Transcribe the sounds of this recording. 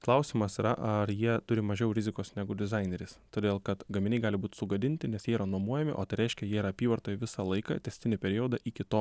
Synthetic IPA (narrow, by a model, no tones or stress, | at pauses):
klˠɐʊsʲiːmɐsiːɾɐʔɐɾjiɛt̪ʊɾʲɪmɐʒʲɛʊɾʲɪzʲɪkoːsnʲæɡʊd̪ʲɪzɑɪnʲeɾʲɪst̪oːd̪ʲeːlˠkɐt̪ɡɐmʲɪnʲɛɪɡɑːlʲɪbuːt̪ʲsʊɡɐd̪ʲɪnʲt̪ʲɪnʲɛsjiɛiɾɐnuɔmuɔjɛmʲɪ̰ʔoːt̪ɐɪɾʲɛɪʃʲkʲɛjiɛiɾɐɐpʲiːʋɐɾt̪oːjɪʋʲɪsɑlˠɐɪkɐ̰t̪ʲɛsʲt̪ʲɪnʲɪpʲɛɾʲiod̪ɐʔikʲɪt̪oː